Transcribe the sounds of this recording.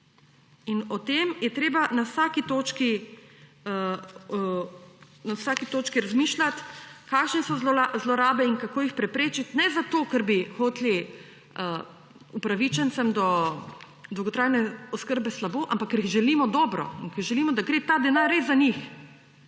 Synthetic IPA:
inɔt̪emjɛt̪ɾeːbanawsaːkit̪oːt͡ʃki | nawsaːkit̪oːt͡ʃkiɾazmiːʃlat̪kaːkʃnɛsɔzzlɔɾaːbɛiŋkakoːjixpɾɛpɾeːt͡ʃit̪nɛzat̪oːkɛɾbixoːt̪li | ə | upɾaʋit͡ʃɛnsɛmd̪ɔ | d̪ɔwɡɔt̪ɾaːjnɛɔskəɾbɛslaboːʔampakːəɾiɣʒɛliːmɔd̪ɔːbɾɔ̰iŋkɐɾʒɛliːmɔd̪aɡɾeːt̪aːd̪ɛnaːɾezanix

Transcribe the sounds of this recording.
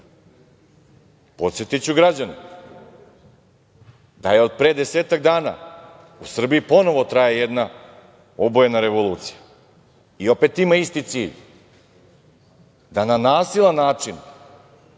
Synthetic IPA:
po̞t̪sjet̪it͡ɕuɡɾad͡ʑani | d̪ajeo̞d̪̚pɾeːd̪e̞seːt̪aɡd̪aːna̰ | usr̩biipo̞no̞ʋo̞t̪ɾajejed̪na | obojenaɾe̞ʋo̞lˠuːt̪si̥ja | io̞pe̞t̪imaist̪it̪siːʎ | d̪ananaːsilˠanːaːt͡ʂin

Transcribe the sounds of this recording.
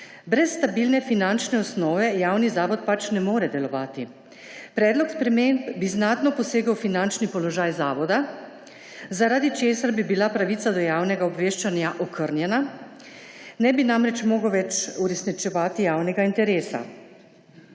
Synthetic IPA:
bɾɛsːt̪abiːlnɛfinant͡ʃnɛɔsnɔːʋɛjaːwnizaːʋɔt̪̚pat͡ʃnɛmoːɾɛd̪ɛlɔʋaːt̪i | pɾɛːd̪lɔkspɾɛmempbiznaːt̪nɔpɔseːɡəwfinant͡ʃnipɔlɔʒaːjzaːʋɔd̪a | zaɾad̪it͡ʃeːsaɾbibilapɾaʋit̪sad̪ɔjaːwnɛɡaɔbʋeːʃt͡ʃanjaʔɔkʰəɾnjɛna | nɛbinamɾɛt͡ʃmoːɡəwʋɛt͡ʃuɾɛsnit͡ʃɛʋaːt̪ijaːwnɛɡaint̪ɛɾeːsa̰

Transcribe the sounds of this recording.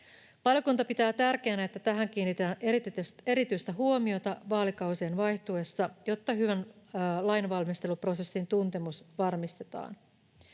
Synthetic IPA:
pɑljokunt̪ɑpit̪æːt̪ærk̟eːnæe̞t̪ːæt̪æɦæŋk̟iːnːit̪ænʔerit̪e̞ɾit̪yjst̪æɦuo̞mio̞t̪ɑʋɑːlikɑwsienʋɑjt̪ue̞sːɑjo̞t̪ːɑɦyʋænlɑjnʋɑlmist̪e̞lupro̞se̞sːint̪unt̪e̞musʋɑrmist̪e̞t̪ɑ̰ːn

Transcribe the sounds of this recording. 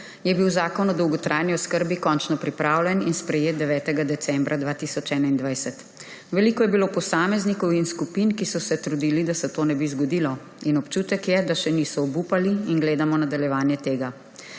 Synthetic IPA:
jɛbiwzaːkɔnɔd̪ɔwɡɔt̪ɾʔajniɔskəɾbikɔnt͡ʃnɔpɾipɾaːwlʲjɛninspɾɛjeːt̪̚d̪ɛʋɛːt̪ɛɡad̪ɛsɛmbɾʔad̪ʋaːt̪isɔt͡ʃɛːnaind̪ʋajsɛt̪ | ʋɛlikɔjɛbiloːpɔsaːmɛznikɔwinskupinkisɔsɛt̪ɾud̪iːlid̪asɛt̪oːnɛbizɡɔd̪iːlɔ | inɔpt͡ʃut̪ɛkjɛd̪aʃɛnisɔːbupaliinɡleːd̪amɔnad̪aljɛʋaːnjɛt̪eːɡa

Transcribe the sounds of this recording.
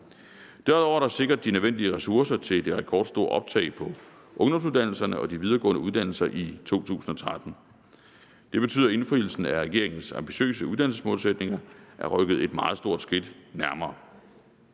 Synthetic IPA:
d̥æɐuð̩ˠɒʊæɾɑse̝ɡ̥ɐd̥̚ːinøðˠen̰d̥iəʁɛsuɐsɐt͡sʰe̝ld̥e̝ʁɛkʰɒ̰ːd̥sd̥o̝ɐ̰ʔɒ̽b̥̚t͡sʰɛ̰ɪpʰɒ̽ | ʔɔ̽ŋd̥ɒ̽msuðˠd̥æn̰l̩sɐnəɒ̽d̥iʋiðˠɐːɡɔ̰̽ːnəuðˠd̥æn̰l̩sɐʔit͡sʰo̝̰ːt͡sʰṵːsn̩ɒ̽t͡sʰʁad̥n̩ | d̥e̝b̥e̝t͡sʰyːð̰ˠɐe̝nfʁḭl̩sn̩æʁɛɡe̝ɐ̰eŋn̩sɑ̈mb̥iɕø̰ːsəuðˠd̥ænl̩sə̥smɔ̽ːlsed̥ne̝ŋɐʔæɐʁœɡ̥ð̩ˠe̝d̥mɑ̈ːð̞̩ˠsd̥o̝ɐ̰d̥sɡ̥ed̥næɐmɐː

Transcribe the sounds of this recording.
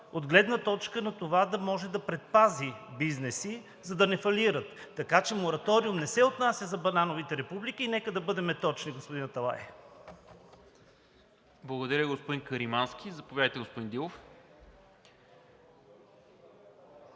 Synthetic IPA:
od̪ɡlɛd̪nət̪ɔt͡ʃkənɐt̪ovad̪ɐmɔʒɛd̪ɐpɾɛt̪̚pazibiznɛsi | zɐd̪ɐnɛfɐliɾət̪ːɐkat͡ʃɛmoɾɐt̪ɔɾiumnɛsɛot̪nasʲjəzɐbɐnanovit̪ɛɾɛpublik̟iːnɛkəd̪ɐbɤd̪ɛmɛt̪ɔt͡ʃniɡospod̪inɐt̪ɐlˠa̰j | blˠɐɡod̪ɐɾʲəɡospod̪inkəɾimansk̟ʲizɐpovjad̪əjt̪ɛɡospod̪ind̪ilˠof

